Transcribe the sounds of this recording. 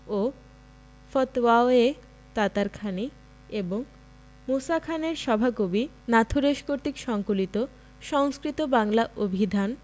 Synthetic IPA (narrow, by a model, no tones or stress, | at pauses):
o | fɔt̪waoe | t̪at̪aɾkʰani | eboŋ | mosakʰaneɾʃɔbʱakobi | nat̪ʰuɾeʃkoɾt̪ikʃɔŋkolit̪o | ʃɔŋskɾit̪obaŋlaʔobʱid̪ʱan